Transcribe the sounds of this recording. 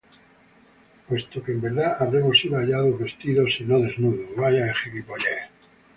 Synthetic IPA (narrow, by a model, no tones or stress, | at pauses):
pwe̞st̪okeːmbeɾðaaβɾemosiðoaʎaðoβe̞st̪iðosinoðe̞znuðuβajaexekipoʎe